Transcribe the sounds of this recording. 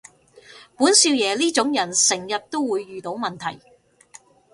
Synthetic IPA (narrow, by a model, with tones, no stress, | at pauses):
puː˨˥nsiː˧wjɛː˨liː˥t͡ʃʊ˨˥ŋjɐ˨˩nsɪ˨˩ŋjɐ˨t̚t̪o˥wwuː˨˧jːyː˨t̪o˨˥wmɐ˨nt̪ʰɐ̰˨˩j